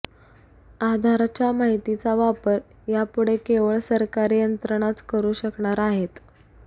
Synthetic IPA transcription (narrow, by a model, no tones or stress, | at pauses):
ad̪ʱaɾat͡ɕjamaɦit̪it͡saʋapəɾ | japuɽekeʋəɭsəɾkaɾijənt̪ɾəɳ̃at͡skəɾuːɕəkɳaɾaɦet̪